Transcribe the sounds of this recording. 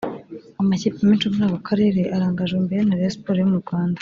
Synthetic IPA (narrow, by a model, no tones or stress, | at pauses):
amaciːpimeːnt͡ʃomuɾaːβakʰaɾe̞ːɾe̞ʔaɾaːŋɡaʒembe̞ɾenaɾespoɾejomuɾɡwaːndḁ